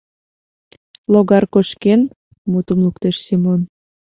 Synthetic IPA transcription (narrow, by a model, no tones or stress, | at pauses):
loɣɑrkoʃken | mut̪əmlukt̪eʃsimon